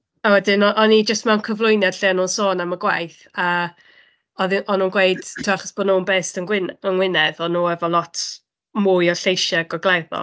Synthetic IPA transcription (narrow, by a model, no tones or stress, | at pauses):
awɛdɪnɔʔɔnid͡ʒəstmɛwnkʰəvlˠʊjnjad̥ɬɪːnunsoːnaməɡwajθə | ɔðʔɔnuːnɡwejd̥tʰɪaχɔsb̥ɔdnunbeːstənwɪnənwɪnɛðɔnuːɛvɔlˠɔtʰ | muːɨjɔɬejʃɛɡɔɡlˠɛðɔ̰